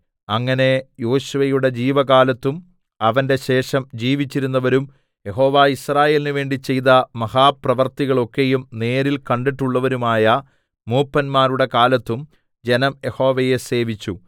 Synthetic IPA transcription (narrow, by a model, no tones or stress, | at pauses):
ɐŋːɐne̞jo̞ːɕuʋɐjuɽe̞d͡ʑiːʋɐɣaːlɐt̪ːum | ɐʋɐnde̞ɕe̞ːʂɐmd͡ʑiːʋit͡ɕːiɾunːɐʋɐɾum | je̞ɦo̞ːʋaːisraːje̞ːlinɨʋe̞ːɳɖit͡ɕe̞jðɐmɐhaːprɐʋɐrt̪iɣɐɭo̞kːe̞jumne̞ːɾilkɐɳɖiʈːuɭːɐʋɐɾumaːjɐ | muːpːɐnmaːɾuɽe̞kaːlɐt̪ːum | d͡ʑe̞nɐmje̞ho̞ːʋɐje̞se̞ːʋit͡ɕːu